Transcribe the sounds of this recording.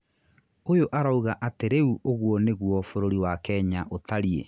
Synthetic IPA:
ojoʔaɾauɣaʔateɾeuʔoɣwɔneɣwɔfoɾoɾiwakɛːɲaʔotaɾie

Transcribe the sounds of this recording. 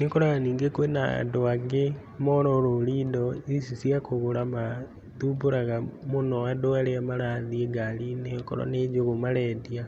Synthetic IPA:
nekoɾaɣaniːŋɡekwena̰ndoaɡe | mɔɾɔɾoɾiːndɔisisiakoɣoɾama | tuboɾaɣamonɔadoaɾeamaɾaðieɡaɾineko̰ɾɔ̰ned͡ʒoɣomaɾɛdia

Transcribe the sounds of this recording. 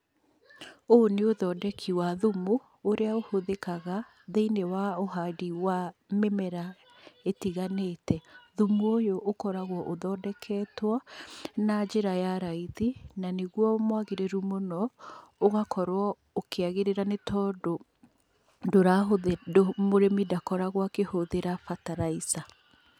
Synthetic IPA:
oneoðɔdɛkʰiwaðumoː | ɾeaohoðekaɣa | ðeinewaoɦadiwamemɛɾa | etiɣaneːtɛðumojoʔːkɔɾaɣwɔʔoðɔːdɛkʰɛːtwanad͡ʒeɾajaɾaiðinaneɣwɔmwaɣeɾeɾumonɔoɣakʰɔɾwɔ | okeaɣeɾeɾanetʰɔːdo | doɾaɦodomoɾemidakɔɾaɣwakehoðeɾafataɾaisa

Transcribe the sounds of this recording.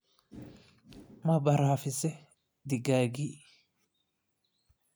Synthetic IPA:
mɐbɐɾaːfɪsɛ | d̪ɪɡaːɡi

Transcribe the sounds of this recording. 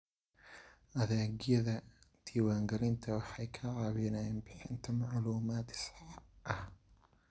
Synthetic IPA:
ʔɐðaɡiɛðɐt̪ʰiwaŋɡɐlint̪ʰɐwaħajkʰaʕaβinajɪnbɪħɨnt̪ʰɐmaʕluːmaːt̪sʕaʔɐ

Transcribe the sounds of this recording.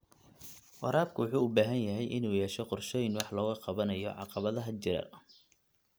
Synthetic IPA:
wɑ̰ɾaːb̚kʰʊwʊħuːʊbaːɦɐnjɐɦɛjʔɪnuːjɛːʃɛqɔrʃɔːjɪnwɑħlɔːɣɐqɑβɐnɐjɔ̰ʕɑ̰qɑβɐðɐɦɐt͡ʃɪɾɐ̰

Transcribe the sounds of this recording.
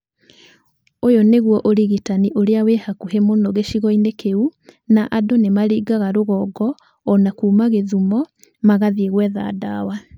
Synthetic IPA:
ojoneɣwɔʔoɾiɣitaniʔoɾeaweːhakuhemonɔɣeʃiɣɔinekeunaʔadonemaɾiːɡaɣaɾoɣɔːɡɔː | nakuːmaɣeðumɔ | maɣaðieɣwɛða̰ːdaːwa

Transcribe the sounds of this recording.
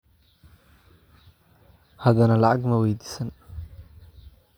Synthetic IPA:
hɐðɐnɐlɐʕɑɡmɐwɛjd̪iːsɐn

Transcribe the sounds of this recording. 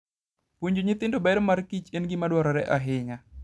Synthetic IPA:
puɲd͡ʒuɲit̪ɪndobɛɾmarkit͡ʃenɡɪmadwɔɾɔɾɛʔaɦɪŋa

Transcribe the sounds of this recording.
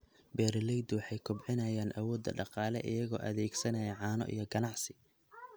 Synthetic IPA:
bɛːɾlɛjd̪wɑħɑjkʰʊbʕɪnɐjaːnʔɐwɔːd̪ːɐ̰ɖɑqɑːlɛʔɪjɐɣɔ̰ːʔɐ̰ðɛːɡsɐnɐjɐʕɑːnɔ̰ʔḭjɞɡɐnɑʕsɪ̥

